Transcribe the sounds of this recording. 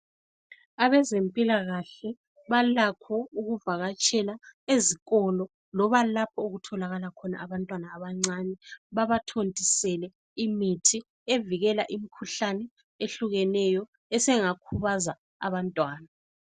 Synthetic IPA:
aβɛzempʼilaɣaɬɛ | βalakʰɔuɣuvaɣat͡ʃʼɛlaeziɣɔlɔ | lɔβalapʰɔuɣutʰɔlaɣalakʰɔna̰aβantʼwanaːβaŋ͡ǀanɛβaβatʰontʼisɛlɛ | imitʰi | eviɣɛlaʔimikʰuɬanɛ | eɬuɣɛnɛjɔ | ɛsɛŋakʰuβaza | a̰βantʼwaːna

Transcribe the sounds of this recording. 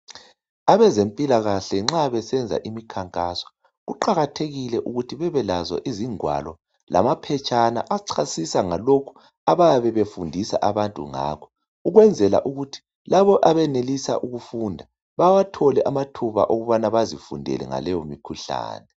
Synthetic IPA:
aβɛzempʼilaɣaɬɛŋ͡ǁaβɛsɛnd͡zʱa̰ʔimikʰaŋkʼasɔ̥ | ɣuǃaɣatʰeɣilɛʔuɣutʰiβɛβɛlazwa̰ʔiziŋwa̰lɔ | la̰mapʰɛt͡ʃʼana̰ʔaǀʰasisaŋalokʰu̥ | aβajaβɛβefundʱisa̰ʔaβantʼṵŋa̰ːkʰɔ̥ | uɣwɛnd͡zʱɛla̰ʔuɣutʰi̥ | laβɔʔaβɛnelisa̰ʔuɣufundʱa | βawatʰɔlɛʔamatʰuβa̰ʔoɣuβanaβazifṵndʱɛ̰lɛ̰ŋa̰lɛjomikʰuɬa̰ːnɛ

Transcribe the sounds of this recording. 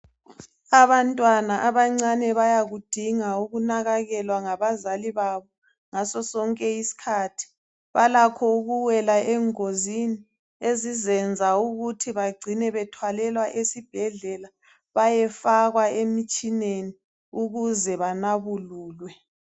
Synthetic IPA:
aβantʼwanaʔaβaŋ͡ǀanɛβajaɣud̥ʱiŋauɣunaɣaɣɛlwaŋaβazaliβaβɔ | ŋasɔsɔŋkʼɛisi̥kʰatʰi̥ | βalakʰɔuɣuwɛlaɛŋozini | ezizɛnd͡zʱauɣutʰiβaɡ͡ǀʱinɛβɛtʰwalɛlwaʔesib̥ʱɛɮɛla | βajɛfaɣwaemit͡ʃʼineni | uɣuzɛβanaβuluːlwɛ

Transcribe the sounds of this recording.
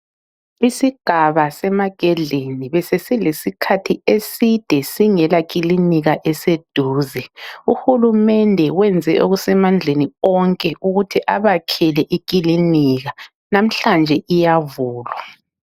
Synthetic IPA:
isiɡ̥ʱaβasɛmaɡ̥ʱɛɮeniβɛsesilesikʰatʰiesid̥ʱɛsiŋɛlak̬ʼiliniɣaʔɛsed̥ʱuːzɛuhulumɛndʱɛwɛnd͡zʱɛʔoɣusɛmand͡ɮʱeniɔŋkʼɛʔuɣutʰiʔaβakʰɛlɛʔik̬ʼiliniɣa | nam̩ɬand͡ʒʱɛʔijavuːlwa

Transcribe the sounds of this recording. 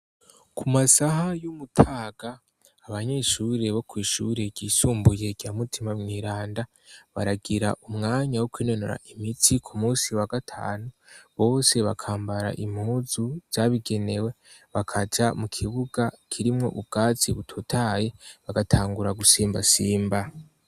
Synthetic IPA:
kumasahajumutʰaːɡ̥aː | βaɲe̞ʃuɾe̞βo̞kwiːʃṵɾe̞ɟɟiːsuːmbuje̞ɟ̥aːmutʰimamŋiːɾaːnda | βaɾaɡiɾa̰ʔumŋaːɲawokwiːno̞noɾa̰ʔimitʰikʰumuːsiwaɡatʰa̰ːnuβo̞ːse̞βa̰kʰaːmbaɾa̰ʔimhuzuz̥aβiɡe̞ne̞we̞ | βakʰad͡ʒamukʰiβuɡakʰiɾimŋo̞̰ʔubɡ̥aːt͡siβutʰotʰaːje̞βaɡatʰaːŋɡuɾaɡusiːmba̰siːmba

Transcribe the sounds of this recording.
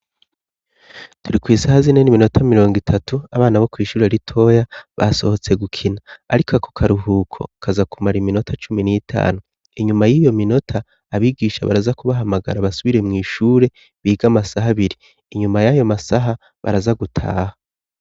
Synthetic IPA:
tuɾikwiːsahazine̞nimino̞tʰamiɾo̞ːŋɡitʰatʰuaβaːnaβo̞kwiːʃuːɾeɾitʰo̞ːjaβa̰so̞ho̞t͡se̞ɡukʰinaːɾikakʰo̥kʰaɾuɦuːkʰo̞̰kʰazakumaɾimino̞tʰat͡ʃuminitʰa̰ːnu | iɲumajiːjo̞mino̞tʰaː | βiːɡiːʃaβa̰ɾazakuβaɦamaɡa̰ɾaβasuβiɾe̞mŋiːʃuːɾe̞ | βiːɡamasaɦaβiɾiː | ɲumajajo̞masaɦa | βa̰ɾazaɡutʰa̰ːha

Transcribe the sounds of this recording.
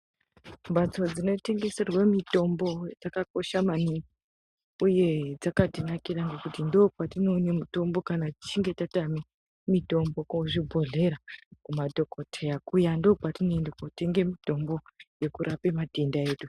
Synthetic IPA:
mbat͡so̞d͡zino̞te̞ŋɡe̞se̞rwemito̞mbo̞d͡zakako̞ʃamaniŋɡi | uje̞d͡zakatinakiraŋɡe̞kutindo̞patinone̞muto̞mbo̞kanati̥t͡ʃiŋɡe̞tatami | mito̞mbo̞koʐibʱo̞ɮe̞ɾakumadʱo̞kotʰejakujando̞patinoendekote̞ŋɡemito̞mbo̞je̞kuɾʔapemadʱendae̞ːɗu

